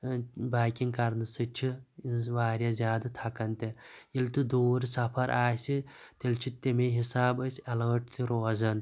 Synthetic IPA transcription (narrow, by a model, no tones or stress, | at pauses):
baːkʲiŋkɐɾnɨsɨt͡ʃʰiinʋaːɾʲjɐzʲjaːd̪ɨt̪ʰɐkɐnt̪eilt̪ɨd̪uːɾsɐpʰɐɾʔaːsit̪ilt͡ʃʰit̪ːemeɦisaːbɐsʲɐlɐʈt̪ʰiɾoːzɐn